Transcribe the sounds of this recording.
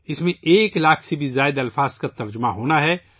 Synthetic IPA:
ɪsmẽeːklaːkʰsebʱizaːɪd̪ɐlfaːzkat̪ɐɾd͡ʒəmaɦoːnaɦɛ

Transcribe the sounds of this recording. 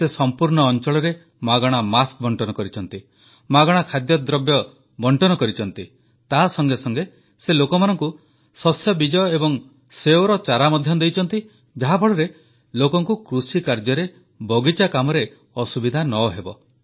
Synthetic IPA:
sesɔmpuɾɳɔːnt͡ʃɔɭɔɾe | maɡɔɽ̃amask̚bʱɔɳʈɔnɔkɔɾit͡ʃʰɔnt̪i | maɡɔɽ̃akʰad̪jɔd̪ɾɔbjɔ | bɔɳʈɔnɔkɔɾit͡ʃʰɔnt̪i | t̪asɔŋɡesɔŋɡe | selokɔmanɔŋku | sɔsjɔbid͡ʒɔjɔebɔŋ | seoɾɔt͡ʃaɾamɔd̪ʱjɔd̪ejt͡ʃʰɔnt̪i | d͡ʒaɦabʱɔɽɔɾe | lokɔŋkukɾusikaɾd͡ʒɔɾe | bɔɡit͡ʃakamɔɾe | ɔsubid̪ʱanɔːɦebɔ

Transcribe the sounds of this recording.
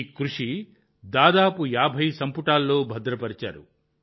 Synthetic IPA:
kɾuʂi | d̪aːd̪aːpujaːbʱɐjsɐmpuʈaːlːo̞ːbʱɐd̪ɾɐpɐɾit͡ʃa̰ːɾṵ

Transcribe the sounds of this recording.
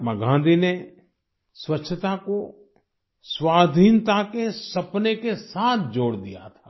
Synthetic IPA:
mɐɡʱãːnd̪ine | swətːʃʰət̪ako | swaːd̪ʱiːnt̪akesɐpnekesaːt̪ʰd͡ʒoːɽd̪ija̰t̪ʰḁː

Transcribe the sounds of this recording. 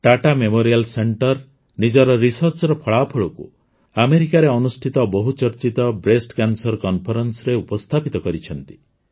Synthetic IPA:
ʈaʈamemoɾialseɳʈɔɾ | nid͡ʒɔɾɔɾisɔɾt͡ʃɔɾɔpʰɔɭaɔpʰɔɭɔkṵ | ameɾikaɾeɔnusʈʰit̪ɔbɔɦut͡ʃɔɾt͡ʃit̪ɔbɾesʈkansɔɾkɔnpʰɔɾɔnsɔɾeupɔst̪ʰapit̪ɔkɔɾit͡ʃʰɔnt̪i̥

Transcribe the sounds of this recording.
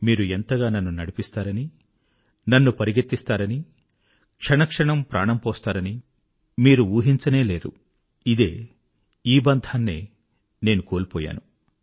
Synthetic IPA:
miːɾuent̪ɐɡaːnɐnːunɐɽipist̪aːɾɐni | nɐnːupɐɾiɡɐt̪ːist̪aːɾɐni | kʂɐɳɐkʂɐɳɐmpɾʔa̰ːɳɐmpɔːst̪aːɾɐni | miːɾuuːɦiɲt͡ʃɐne̞ːle̞ːɾṵ | id̪e̞ː | iːbɐnd̪ʱaːnːḛː | ne̞ːnuko̞ːlipɔːja̰ːnu

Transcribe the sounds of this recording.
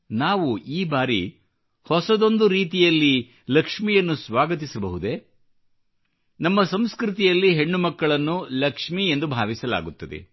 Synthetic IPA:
naːʋuiːbaːɾi | hɔsɐd̪o̞nd̪uɾiːt̪ijɐlːi | lɐkʂmijɐnːusʋaːɡɐt̪̬isɐbɐɦud̪e̞ | nɐmːɐsɐmskɾɪt̪ijɐlːiɦe̞ɳːumɐkːɐɭɐnːulɐkʂmie̞nd̪ubʱaːʋisɐla̰ːɡut̪ːɐd̪ḛ

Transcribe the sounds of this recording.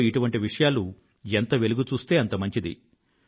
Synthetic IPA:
iʈuʋɐɳʈiʋiʂɐjaːlu | ent̪ɐʋe̞luɡut͡ʃuːst̪e̞ːɐnt̪ɐmɐɲt͡ʃid̪ḭ

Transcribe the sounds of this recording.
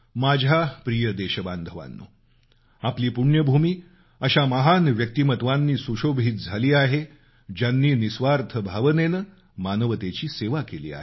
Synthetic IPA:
mad͡ʑʱapɾijəd̪eɕəband̪ʱəʋa̰nːṵː | apliːpuɽɳjəbʱumiː | əɕaməɦanʋjək̚t̪imət̪ʋanːiːsuɕobʱiːt̪̚d͡zʱaliːaɦe | d͡ʑjanːiːnisʋaɾt̪ʰəbʱaʋənenə | manəʋət̪et͡ɕiːseʋakelḭːa̰ɦe

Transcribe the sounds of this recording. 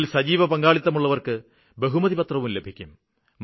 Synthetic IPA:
lsɐd͡ʑiːʋɐpɐŋɡaːɭit̪ːɐmuɭːɐʋɐrkɨ | be̞ɦumɐðipɐt̪rɐʋumle̞bʱikʲːum | m

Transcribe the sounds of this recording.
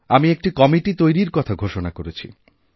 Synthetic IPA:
amiek̚ʈikɔmiʈit̪ojɾiɾkɔt̪ʰaɡʱoʃonakoɾet͡ɕʰḭ

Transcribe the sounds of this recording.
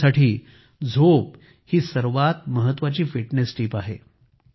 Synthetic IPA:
saʈʰiː | d͡zʱop | hiːsəɾʋat̪məɦət̪ːʋat͡ɕiːfiʈnesʈiːpaɦḛ

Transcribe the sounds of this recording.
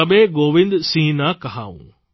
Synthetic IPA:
ɐɓeɡoːʋɪ̃nd̪sĩːnakɐɦaːṵ̃ː

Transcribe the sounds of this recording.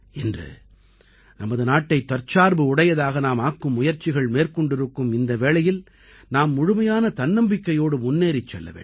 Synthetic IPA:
ɛndrɯ̰ | nɐmːɐðɯnaːʈːɐɪt̪ːɐɾt͡ʃaːɾbɯʊɽɐjɐðaːɣɐnaːmaːkːɯmːʊjɐɾt͡ʃɪɣɐɭmeːɾkɔɳɖɪɾɯkːɯmɪnd̪ɐʋeːɭɐjɪl | naːmːʊɻʊmɐjaːnɐt̪ɐnːɐmbɪkːɐjoːɽɯmʊnːeːɾɪt͡ʃːɛ̰lːɐ̰ʋḛː

